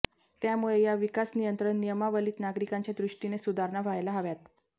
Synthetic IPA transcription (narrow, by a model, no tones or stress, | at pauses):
t̪jamuɭejaʋikasnijənt̪ɾəɳːijəmaʋəliːt̪naɡɾikaɲt͡ɕad̪ɾuʂʈinesud̪ʱaɾɳaʋʱajlaɦaʋjat̪